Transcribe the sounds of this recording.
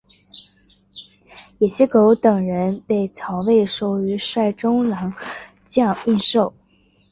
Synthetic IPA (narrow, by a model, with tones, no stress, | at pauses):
jɛ˨˩ɕjɛ˥ko˧˥ʊt̪ɤ˨˩ŋɻə˧˥npe˥˩ɪt͡sʰɑ˧˥ʊwe˥˩ɪʂo˨˩ʊy˧˥ʂwa˥˩ɪʈ͡ʂʊ˥ŋlɑ˧˥ŋ | t͡ɕjɑ˥˧ŋi˥˧nʂo˥˩ʊ